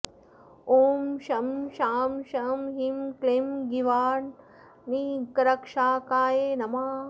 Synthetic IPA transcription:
oːmʃɐmʃaːmʃɐmɦimklemɡiʋaːn | nikɐɾɐkʂaːkaːjeːnɐmaː

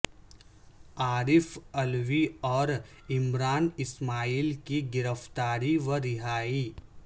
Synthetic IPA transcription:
aːɾɪfɐlʋiɔːɾ | ɪmɾaːnɪsmaːiːlkiɡɪɾəft̪aːɾiʋəɾɪɦaːiː

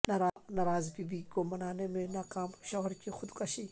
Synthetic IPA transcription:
nɐɾanɐɾaːzbibiɡomɐnaːnemenakaːmʃɐɣɔɾkʲixʰʊd̪kʼɐʃi

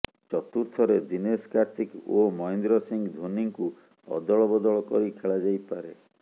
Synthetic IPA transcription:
t͡ʃɔt̪uɾt̪ʰɔɾed̪ineskaɾt̪ikomɔjnd̪ɾɔsiŋɡd̪ʱoniŋku | ɔ̰d̪ɔɭɔbɔd̪ɔɭɔkɔɾikʰeɭad͡ʒajpaɾe

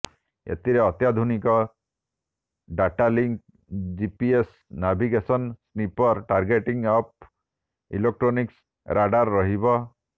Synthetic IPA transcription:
ḛt̪iɾeɔt̪jad̪ʱunikɔ | ɖaʈaliŋk | d͡ʒipies | nabʱiɡesɔnsnipɔɾʈaɾɡeʈiŋɡɔp̚ | ḭlek̚ʈɾoniks | ɾʔaɖaɾːɔɦibɔ

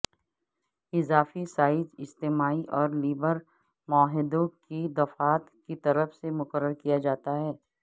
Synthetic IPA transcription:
ɪzaːfisaːɪd͡ʒɪst̪eːmaːiʔɔːɾliːbəɾ | maːɦɪd̪õkid̪ɐfaːt̪kit̪ɐɾəfsemʊkəɾːəɾkijad͡ʒaːt̪aɦɛː

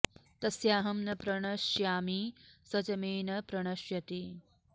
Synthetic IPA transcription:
t̪ɐsjaːɦɐmnɐpɾɐɳ̃ɐʃjaːmisɐt͡ʃɐmeːnɐpɾɐɳ̃ɐʃjɐt̪i

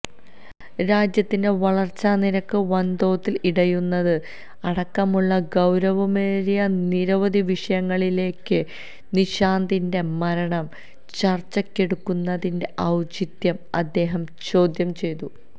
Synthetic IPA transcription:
ɾaːd͡ʑjɐt̪ːinde̞ʋɐɭɐrt͡ɕːaːniɾɐkːɨʋɐnd̪o̞ːt̪ːiliɽɐjunːɐðɨ | ɐɽɐkːɐmuɭːɐɡɐwɾɐʋɐmeːɾijɐniɾɐʋɐd̪iʋiʂɐjɐŋːɐɭile̞ːkːɨ | niɕaːnd̪inde̞mɐɾɐɳɐm | t͡ɕɐrt͡ɕːɐkːe̞ɽukːunːɐðinde̞ʔɐwt͡ɕit̪jɐmɐd̪ːe̞ːɦɐmt͡ɕo̞ːd̪jɐmt͡ɕe̞jt̪u

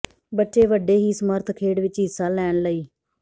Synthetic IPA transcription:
bətːʃeːʋəɖːeːɦiːsəməɾt̪ʰkʰeːɽʋɪt͡ʃɦɪsːaːlɛːɳləiː

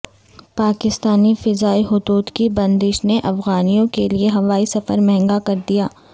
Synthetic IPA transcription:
paːkɪst̪aːnifɪzaːiɦʊd̪uːd̪kibɐ̃nd̪ɪʃneʔɐfɣaːnijõkelieɦɐʋaːisɐfəɾmɛɦɛ̃ŋɡakɐɾd̪ijaː

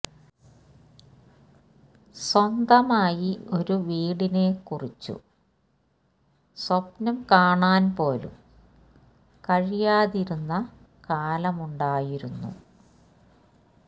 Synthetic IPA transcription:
swɐnd̪ɐmaːjio̞ɾuʋiːɽine̞kurit͡ɕːṵ | swɐpnɐmkaːɳaːnpo̞ːlṵm | kɐɻijaːðiɾunːɐ | kaːlɐmuɳɖaːjiɾunːṵ

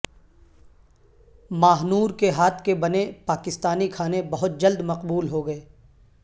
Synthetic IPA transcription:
maːɦnuːɾkeɦaːt̪ʰkebɐnepaːkɪst̪aːnikʰaːnebɐɦʊt̪̚d͡ʒɐld̪mɐqbuːlɦoɡɐeː

